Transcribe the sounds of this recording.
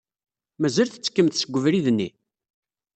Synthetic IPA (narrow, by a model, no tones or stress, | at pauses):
mæzælθə̥t͡sːə̥kːəmθsəɡʷːəvɾiðnːi